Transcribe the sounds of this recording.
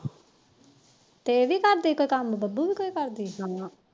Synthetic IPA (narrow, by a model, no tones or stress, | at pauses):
t̪eʋiːkəɾd̪ikoːikambəbubiːkoːikəɾd̪iːɦamã